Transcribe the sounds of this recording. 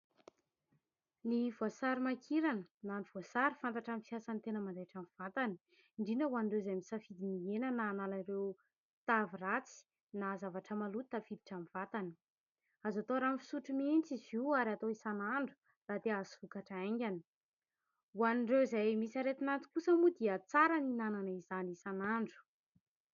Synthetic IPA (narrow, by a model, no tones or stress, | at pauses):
nivoasaɾimakʰiɾanənaniv̥oasaɾifant̪aʈ͡ʂamfiasant̪enəmand̪aʈ͡ʂamiv̥at̪ani̥ | ɳɖ͡ʐinəuaniɳɖ͡ʐewzamisafid̪inienənaːnalarew | t̪avirat͡si̥ | nazavaʈ͡ʂəmalut̪t̪afid̪i̥ʈ͡ʂamvat̪ani̥ | azat̪oɾamfi̥suʈ͡ʂumint͡siziaɾat̪oisanaɳɖ͡ʐu̥ | rad̪eazivukaʈ͡ʂaaŋɡʲani̥ | wanɳɖ͡ʐewizajmisaɾet̪inant͡s̪u̥kusəmud̪iət͡saɾaninananaizanisanaɳɖ͡ʐu̥